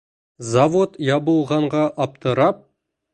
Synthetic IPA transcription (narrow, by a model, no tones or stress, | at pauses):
zavot̪jɑβɤ̆lˠʁɑɴʁɑʔɑp̚t̪ɤ̆ɾɑp̚